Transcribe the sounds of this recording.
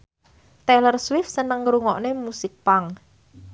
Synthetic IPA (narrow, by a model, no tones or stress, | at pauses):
t̪elərswɪfsənəŋɾuŋɔʔnemusɪk̚paŋ